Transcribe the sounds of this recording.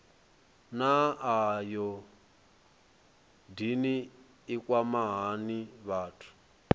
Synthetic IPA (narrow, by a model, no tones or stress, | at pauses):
naːjɔ | diniː | kwamaɦaniβaːtʰu̥